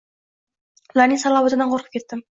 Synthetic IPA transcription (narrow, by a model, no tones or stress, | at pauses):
lanʲisɑlˠɑbozənɑɴqʰoɾqʰəp̚kʲe̞t̪ːɪm